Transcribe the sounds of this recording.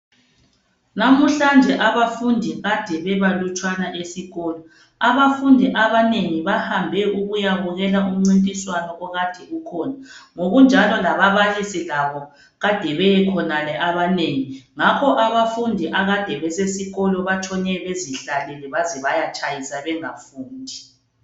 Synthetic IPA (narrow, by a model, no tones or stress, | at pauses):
namuɬand͡ʒʱɛʔaβafundʱiɣad̥ʱɛβɛβalut͡ʃʰʼwanaʔesiɣɔːlɔ | aβafundʱiʔaβaneŋiβahambʱɛuɣujaβuɣɛlaum̩ŋ͡ǀintʼiswanɔʔɔɣad̥ʱɛɣukʰɔːnaŋoɣund͡ʒʱalɔlaβaβalisilaβɔ | ɣad̥ʱɛβɛɛkʰɔnalɛʔaβaneŋiŋakʰɔʔaβafundʱiʔaɣad̥ʱɛβɛsesiɣɔlɔβat͡ʃʰʼɔɲɛβeziɬalɛlɛβazɛβajat͡ʃʰʼajisaβɛŋafuːndʱi